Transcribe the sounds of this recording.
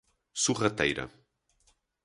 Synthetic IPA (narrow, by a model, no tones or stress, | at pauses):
surat̪ɛjɾɐ̰